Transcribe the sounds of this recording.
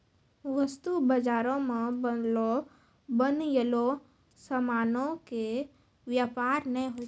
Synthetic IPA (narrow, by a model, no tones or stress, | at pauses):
ʋəst̪ubəd͡ʒaːɾõmẽbəlo | bənjəlo | səmaːnõke | ʋjaːpaːɾnəɦĩɦo